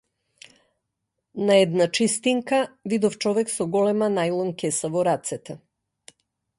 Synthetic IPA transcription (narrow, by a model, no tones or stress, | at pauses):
naɛd̪nat͡ʃist̪iŋkavid̪ɔft͡ʃɔvɛksɔɡɔlɛmanajlˠɔnkɛsavɔɾat̪sɛt̪ɛ